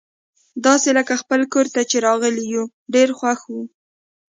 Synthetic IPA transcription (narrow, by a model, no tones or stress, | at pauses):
d̪ɑseləkaxpəlkoɾt̪at͡ʃeɾɑɣəliju | ɖeɾxwaxwu